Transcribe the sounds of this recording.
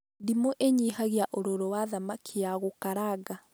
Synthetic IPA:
dimoʔeɲiɦaɣjaʔoɾoɾɔwaðamakʰejaɣokaɾaɡa

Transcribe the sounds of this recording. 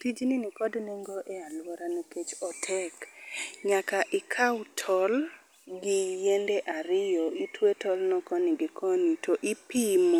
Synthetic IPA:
tid͡ʒnɪnɪkɔdnɛŋɡɔʔɛalwɔɾaneket͡ʃɔtʰɛkɲakaʔɪkʰawtʰɔl | ɡɪjendeʔaɾɪjɔitwetɔlnɔkɔnɪɡɪkʰɔnitʰɔʔɪpimo

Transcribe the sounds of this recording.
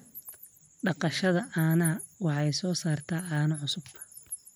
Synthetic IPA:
ɖɑqɑʃɐðɐʔaːnɐwɑħɛjsɔːsaːrt̪ʰaːʔaːnɐʕʊsʊb̥t̪ʰɐ̥

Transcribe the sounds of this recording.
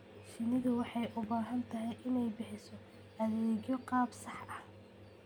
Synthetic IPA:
ʃɪnɪðɐwɑħɑjʔʊbaːɦɐnt̪ʰɐɦɛjʔɪnɛjbɪħɪsɔ | ʔɐðɛːɡjɔqɑːbsɑħʔɐh

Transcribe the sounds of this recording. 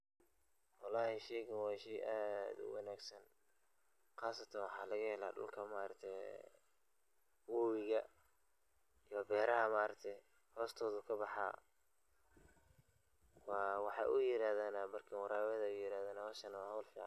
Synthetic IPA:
wɑlɑːhɪʃɛːɣɐwɑːʃɛjʔaːd̪ʊ̰wɑnaːɡsɐn | qɑːsɐt̪ʰɐnwɑħɑːlɐɣɐhɛla̰ːɖʊ̰lkʰɐmaɾɐk̚t̪ʰɛj | wɔːwɪɣɐ | ijɔbɛːɾɐɦɐmaːɾɐk̚t̪ʰɛ | hɔːst̪ʰɔːðʊkʰɐbɑħɑ̰ː | wɑːwɑħɑ̰ːʔʊjɪɾaːðaːnabɐrkʰɐwɑɾaːwɐðɐʊjɪɾaːðaːnɐwɔʃɐnɐwɑːhɐwlfḭʕ

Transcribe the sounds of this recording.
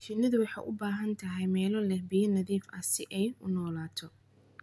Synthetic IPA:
t͡ʃɪnɐðʊwɑħɑ̰jʔʊbaːɦɐnt̪ʰɐɦɛjmɛːlɔlɛbijɐnɐðiːfɐsɪʔɛjʊnɔːlaːt̪ʰɔ

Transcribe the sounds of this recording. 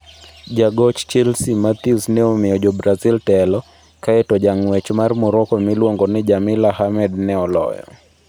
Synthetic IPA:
d͡ʒaɡɔt͡ʃt͡ʃɛlsimat̪iusnɛomɪɔd͡ʒɔbɾaziltɛlɔ | kaɛtɔd͡ʒaŋwɛt͡ʃmarmʊɾɔkɔmɪlwoŋɡɔnɪd͡ʒamɪlahamɛdnɛɔlɔ̰jɔ̰

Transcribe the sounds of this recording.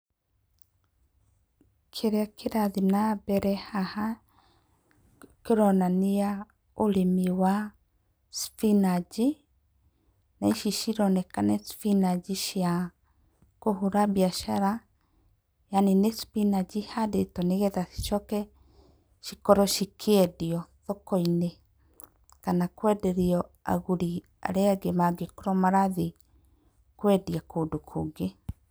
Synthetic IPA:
kʰeɾeakeɾaðinabɛɾɛhaha | keɾɔnania | olemiwa | spinad͡ʒi | naiʃiʃiɾɔnɛkanɛspinad͡ʒiʃia | kohuɾabiaʃaɾa | janenespinad͡ʑihadetɔneɣɛðai̥ʃɔkɛ | ʃikɔɾɔʃikʰeɛdiɔðɔkɔine | kanakwɛdɛɾiɔa̰ɣuɾi | a̰ɾeaɡemaɡekoɾɔmaɾaði | kwɛdiakoːdokʰoːɡe

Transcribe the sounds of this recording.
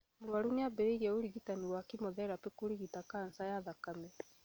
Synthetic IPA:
mɾwaɾuneabɛɾeiɣɛoɾiɣitaniwakimɔðɛɾapekoɾiɣitakansajaðakamɛ

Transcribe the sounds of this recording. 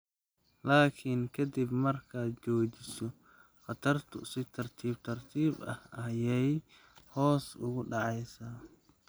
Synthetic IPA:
laːkʰiŋkʰɐd̪ibmɐrkʰaːt͡ʃɔːt͡ʃɪsɔ | χɑt̪ʰɐrt̪ʰʊsɪt̪ʰɐrt̪ʰiːb̚t̪ʰɐrt̪ʰiːbɐ̰hɐjɛj | hɔːsʊ̰ɣʊɖɑʕɑjsaː

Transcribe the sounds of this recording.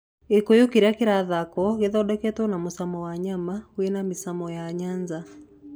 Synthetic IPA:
ekojokiɾakeɾaðakɔɣeðɔdɛkɛtwɔnamosamɔwaɲamawenamisamɔjaɲaɲza

